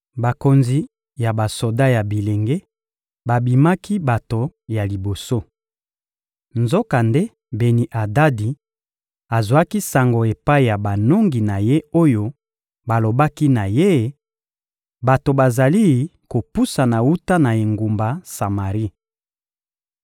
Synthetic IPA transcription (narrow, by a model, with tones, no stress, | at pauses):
ba˨ko˨nzi˨ | ja˨ba˨so˨da˦ja˨bi˨le˨ŋɡe˦ | ba˨bi˨ma˦ki˦ba˨to˨ja˨li˨bo˨so˦ | nzo˦ka˨nde˦ | be˨ni˨ʔa˨da˦di˨ | a˨zwa˦ki˦sa˨ŋɡo˨e˨pa˦i˨ja˨ba˨no˦ŋɡi˨na˨je˦o˦jo˦ | ba˨lo˨ba˦ki˦na˨je˦˨ | ba˨to˨ba˨za˨li˦ko˨pu˦sa˨na˨u˦ta˦na˨e˨ŋɡu˨mba˨sa˨ma˨ʁi˦